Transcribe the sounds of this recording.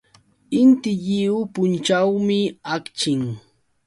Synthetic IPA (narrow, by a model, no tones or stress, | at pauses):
ɪnt̪ɪʎɪʊpʊnt͡ʃawmɪakt͡ʃɪŋ